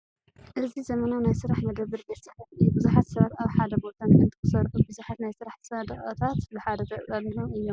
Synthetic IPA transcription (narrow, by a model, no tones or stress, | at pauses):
ʔɨzizɐmɐnanajsɨɾaħmɐd̪ɐβːɨɾɡɐsɐlɐtɨjubɨzuħat̪sɐβat̪aβħad̪ɐbo̞t̪ʰanɨnt̪ʰɨ̥kɨsɐɾxubɨzuħat̪najsɨɾaħsɐd̪ɐχʼɐt̪ʰat̪bɨħad̪ɐt̪ʰɐkʼtʼɐlihunɨjːo